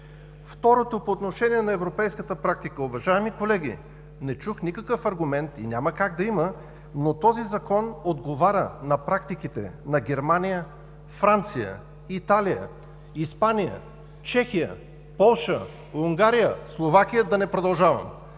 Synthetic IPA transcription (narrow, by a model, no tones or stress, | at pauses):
ft̪ɔɾot̪opoːt̪noʃɛniɛnɐɛvɾopɛjskət̪əpɾak̚t̪ikəʊvɐʒaɛmikolɛɡ̟ḭ | nɛt͡ʃuxnikəkəfɐɾɡʊmɛnt̪inʲaməkaɡd̪ɐimə | not̪ɔzizɐkɔnod̪ɡovaɾʲə̰nɐpɾak̚t̪ik̟it̪ɛ̰nɐɡʲɛɾmanijə | fɾant̪sijə̰ | it̪alijə̰ | ispanijə̰ | t͡ʃɛxijə̰ | pɔlˠʃə | uŋɡaɾijəslˠovak̟ijəd̪ɐnɛpɾod̪ɐlˠʒavə̰m